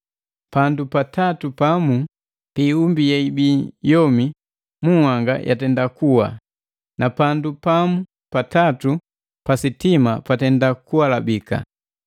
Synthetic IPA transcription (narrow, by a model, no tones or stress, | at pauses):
pandupatatupamu | piːumbijaibiːjɔmi | muhaŋɡa̰jʔa̰tɛndakuwa̰ | nʔapandupamu | patatu | pasitimapatɛndakuwalabika̰